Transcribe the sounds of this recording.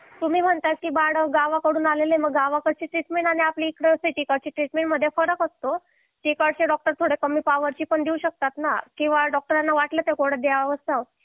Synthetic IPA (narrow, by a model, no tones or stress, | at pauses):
t̪umiːm̤əɳt̪at̪kiːbaɽəɡaʋakəɽuːnaleleməɡːaʋakəɽt͡ɕiːʈɾiʈmeɳʈaɽ̃iapliːkɽəsit͡ɕikəɽt͡ɕiːʈɾiʈmeɳʈməd̪ʱːjefəɾəkɦot̪ːo | t͡ɕekəɽɕeɖɔk̚ʈəɾt̪ʰoɽekəmiːpaʋəɾt͡ɕiːpəɳd̪iuɕək̚t̪at̪nakĩw̃ʋaɖɔk̚ʈəɾanːaʋaʈlət̪ekoɽəd̪jaʋəst̪aʋ